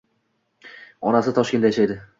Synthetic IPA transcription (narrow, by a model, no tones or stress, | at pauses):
ɒnasɪt̪ʰɒʃkʲe̞nd̪ajaʃajd̪ɪ